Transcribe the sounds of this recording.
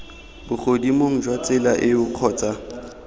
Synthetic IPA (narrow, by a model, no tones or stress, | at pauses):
bʊχodimoŋ̩d͡ʒwat͡sʼɪlaʔɪʊq͡χʰɔːt͡sʼa